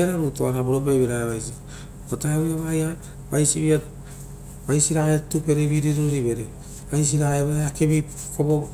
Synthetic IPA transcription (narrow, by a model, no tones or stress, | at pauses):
aɾaɾutoaɾaboɾobeβiɾaeβajsi | otaeojaβaja | bajsiβia | bajsiɾaetupeɾeβiɾiɾoɾiβeɾe | bajsiɾaeβeɾeakebi | kobo